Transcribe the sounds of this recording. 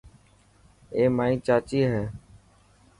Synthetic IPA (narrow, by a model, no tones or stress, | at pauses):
eːmaːĩːt͡ʃaːt͡ʃiːɦeː